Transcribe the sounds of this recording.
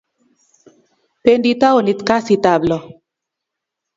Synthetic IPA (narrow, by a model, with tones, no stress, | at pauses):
pe˦ndi˦ta˦o˨li˨tka˦si˨ta˨blɔ˨